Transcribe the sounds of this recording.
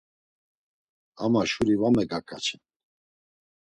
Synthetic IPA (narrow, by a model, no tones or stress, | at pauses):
a̰maʃuɾivamɛɡakʼa̰t͡ʃʰɛn